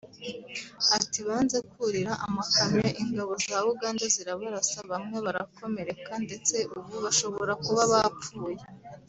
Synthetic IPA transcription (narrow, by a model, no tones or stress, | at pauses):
atiβaːnze̞kuɾiɾaʔamakamɲeʔiŋɡaβo̞zaβuɡaːndaziɾaβaɾasaβamŋe̞βaɾako̞me̞ɾekande̞t͡se̞ʔuβuβaʃo̞βo̞ɾakuβaβap͡fuːje̞